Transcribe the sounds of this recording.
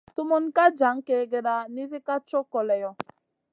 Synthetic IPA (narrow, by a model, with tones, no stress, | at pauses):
tu˦mu˦nka˦d͡ʒa˨˦ŋ˦ke˦ɡe˦da˦ni˦zi˦ka˦t͡ʃɔ˦kɔ˨lɛ˨jɔ˦